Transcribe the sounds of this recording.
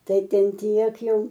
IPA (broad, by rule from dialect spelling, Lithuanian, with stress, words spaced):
ˈtɐɪ ˈtʲɛn ˈtʲiɛk ˈjɛʊ